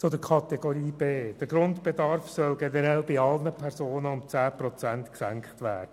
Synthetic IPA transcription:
t͡sod̪əkʰɑt̪ɛɡoɾiːb̥eːd̥əɾɡɾʊntb̥edɑɾfsœlɡɛnəɾɛlbɪɑlnəpʰɛɾsoːnəʊmt͡sæːpɾɔt͡sæntksæŋkχtʋæ̰ːd̥ə

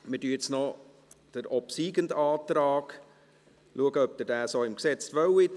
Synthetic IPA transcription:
mɪdyːt͡snɔ | d̥əɾɔpsiːɡəndaɑːt̪ɾaːɡ̥ | lʔuəɡəœp̚d̪ədæːsoːɪmksɛt͡sʋœwɪ

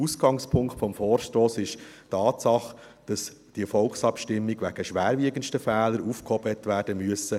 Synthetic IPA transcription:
usɡ̥ɑŋspʰʊŋkχtfɔmfɔːrʃtoːsɪʃtɑːtsɑχ | d̥ɑs | d̥iəfɔlksɑpʃtɪmːiɡʋæɡ̥əʃʋæːɾʋiəɡənʃtəfɛːləɾuːfkhɔb̥tʋæːɾd̥əmyəsə

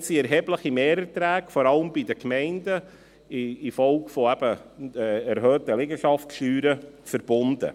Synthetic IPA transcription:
siɛɾɦɛbləχimeːɾətɾæːkfɔɾɑləmbidəkmɛɪndə | ɪːfɔlkfɔæb̥ə | ɛɾɦøːtəlɪɡəʃɑftʃyːɾəfəɾb̥ʊnd̥̪ə̰

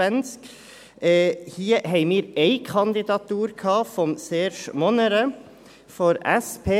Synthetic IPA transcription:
ɛnsk | hiːheɪmɪɾeɪkʰɑnd̪ɪd̪ɑt̪uːɾkʰɑːfɔmseːʃmɔnəɾə | fɔɾɛspʰeː

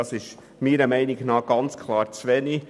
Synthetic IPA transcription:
ɑsɪʃ | miːɾəmæɪnɪɡnɑːɡ̥ɑnt͡skʰlˠɑːɾt͡sʋɛni

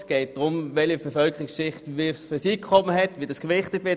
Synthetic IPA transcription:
sɡ̥ɛɪt̚d̥ʁʊmvɛlibɛfœlkʰəʁɪksʃɪχtʋisfʏɐsiːkʰɔməɦɛtʋidɑskʋɪχtətvɪɐ

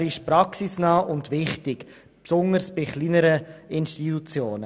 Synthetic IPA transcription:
ɾɪʃpɾɑksisnɑːʔʊndʋɪχtɪk | psʊŋəɾsb̥ɪχliːnəɾəɪnʃtitut͡sjoːnə

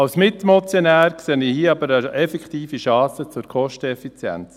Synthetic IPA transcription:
ɑwsmɪtmɔt͡sjonæːɾkseːnihiːɑbəɾəɛfɛkχtiːfiʃɑːsət͡sʊɾkʰχɔʃtəɛfit͡sjɛ̰nt͡s

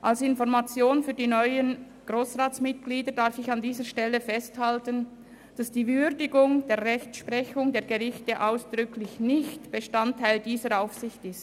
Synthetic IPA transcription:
ʔalsɪnfɔʁmat͡sjoːnfyːɐdiːnɔʏən | ɡ̥ʁoːsʁaːt͡smɪt̚ɡ̥liːdədaɾfɪçandiːzəʃtɛlːəfɛsthaltən | d̥asd̥iːvʏɾdɪɡʊŋd̥eːɐʁɛçt͡sʃpʁɛçʊŋdeːɡəʁɪçtəʔaʊsd̥ʁʏkʰlɪçnɪçtb̥əʃtantʰːaɪldiːzəɾaʊfsɪçtɪst

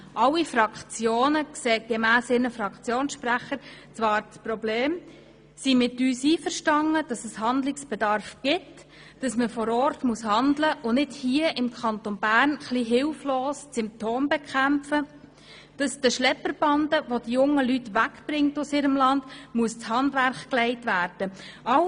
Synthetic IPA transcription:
ʔɑwːifɾɑkχt͡sjoːnəkseːɡ̥emæːsɪɾnəfɾɑkχt͡sjoːnsʃpræχəɾt͡sʋɑːɾt͡spɾɔbleːm | simɪtyːsiːfəɾʃtɑŋəd̥ɑsəshɑndlɪksb̥ɛdɑɾfɡ̥ɪt | d̥ɑsməfɔɾɔːɾtmuəshɑndləʔʊnɪdhiəʔɪmkʰɑntɔnbæːɾnχliɦɪlfloːst͡sʏmp̚tʰoːmbɛkχæmpfə | d̥ɑsd̥əʃlɛpːəɾb̥ɑndəʋod̥ijʊŋːəlytʋækb̥ɾɪŋtʊsɪːɾəmlɑnd̥muəst͡shɑndʋæɾχklɛɪtʋæːɾd̥əɑw

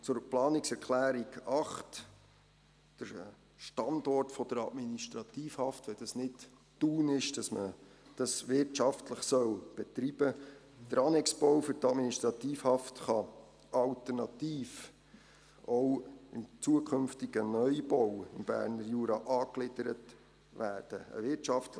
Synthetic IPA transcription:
t͡sʊɾplɑːnɪksɛɾkʰlæːɾiɡɑχt | d̥əɾ | ʃtɑndɔrtfɔd̥əɾɑ̰dminiʃtɾɑt̪iːfhɑftʋɛd̥ɑsnɪt | d̥uːnɪʃd̥ɑsməd̥ɑsʋɪɾtt͡ʃɑftləχsœlb̥ɛt̪ɾib̥ə | d̥əɾɑnɛkspɔwfʏɾtɑdminiʃt̪ɾɑt̪iːfhɑftχɑ | ɑlt̪əɾnɑtiːf | ʔɔwɪmt͡suəkʰχɵnftiɡ̥ənœjb̥ɔwɪmb̥æ̰ːɾnəɾjuːɾɑʔɑːklɪd̥əɾət | ʋæːrd̥əə̰ʋɪtt͡ʃɑftlə

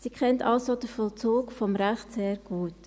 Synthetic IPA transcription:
siːkʰχɛntɑlsod̥əfɔlt͡suːkfɔmɾæχtseːɾɡ̥uːt

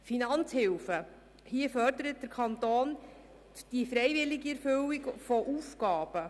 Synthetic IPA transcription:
finɑnt͡shɪwfə | hiəfœrdəɾət̚d̥əɾkʰɑnt̪oːn | d̥ifɾɛjvɪliɡiɛɾfʏwikfɔʔufkɑːb̥ə

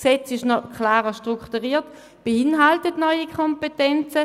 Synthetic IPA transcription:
ksɛt͡sɪʃnɔkʰlaːʁəʃtʁuktuʁiːɐt | b̥əɪnɦaltətnɔʏikʰɔmpetɛnt͡sə

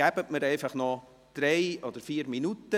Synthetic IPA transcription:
æbətməɾɛɪfɑχnɔ | d̪̥ɾɛɪɔd̥̪əɾfiːɾminutə

